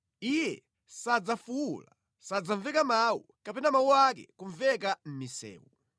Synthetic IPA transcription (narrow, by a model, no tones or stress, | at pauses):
ijɛ̰ | sad͡zafuula | sad͡zaɱvɛkamawṵ | kapɛnamawuakɛ̰kuɱvɛkam̩misɛ̰ːwu